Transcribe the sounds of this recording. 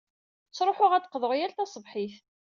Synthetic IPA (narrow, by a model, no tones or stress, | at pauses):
sɾˤoħʊʁæt͡s̪ːə̥qðˤəʁjælt̪æsˤəvħiθ